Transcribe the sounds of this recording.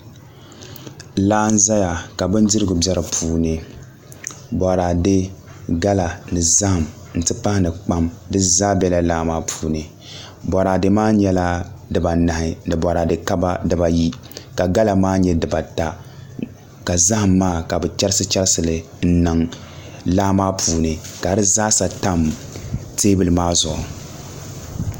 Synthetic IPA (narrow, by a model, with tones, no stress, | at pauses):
laː˦n̩˦za˦ja˨ka˨bɨ˦n˦dɨ˦ɾɨ˦ɡʊ˨bɛ˦ɾɨ˨pʰuː˦nɨ˨ | bɔ˨ɾa˨de˦ɡa˦la˨nɨ˨za˦hɨ˨m | n̩˨tɨ˦pa˦hɪ˦nɨ˨k͡pa˦mdɨ˦za˦bɛ˦la˦laː˦maː˦pʰuː˨nɨ˨ | bɔ˨ɾa˨de˨maː˦ɲɛ˦la˦dɨ˨ba˨na˨hɪ˨nɨ˨bɔ˨ɾa˨dɨ˨ka˦ba˦dɨ˨ba˨ji˦ | ka˨ɡa˦la˨maː˦ɲɛ˦dɨ˨ba˨ta˦ | ka˨za˦hɨ˨mːaː˦˨ka˨bɨ˨t͡ʃɛ˦ɾɨ˦sɨ˦t͡ʃɛ˦ɾsɨ˨lɨ˨ | n̩˦nɨ˨ŋ | laː˦maː˦pʰuː˨nɨ˨ka˨ɾɨ˦za˦sa˨ta˦mteː˦bɨ˦lɨ˨maː˦zʊ˨ʔʊ˨